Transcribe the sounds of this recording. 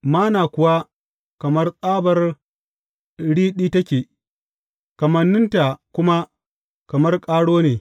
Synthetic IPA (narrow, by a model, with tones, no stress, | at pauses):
maː˦naː˨kʷʊ˨wa˦ | kɐ˨mɐ˦rsʼaː˦bɐ˨r | ɽiː˦ɗiː˦tɐ˦kʲeː˨ | kɐ˨mɐ˨nːɪ˦nta˨kʷʊ˦ma˦ | kɐ˨mɐ˦rkʼaː˦ɽoː˦neː˨